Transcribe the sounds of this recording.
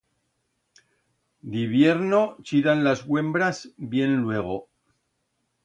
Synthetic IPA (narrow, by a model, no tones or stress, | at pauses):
d̪iβje̞ɾnot͡ʃiðanlazɣwe̞mbɾazbje̞nlwe̞ɣ̞o